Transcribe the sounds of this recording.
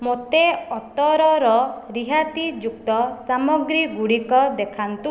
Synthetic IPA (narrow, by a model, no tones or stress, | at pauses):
mot̪eɔt̪ɔɾɔɾɔɾiɦat̪id͡ʒuk̚t̪ɔsamɔɡɾiɡuɽikɔd̪ekʰant̪u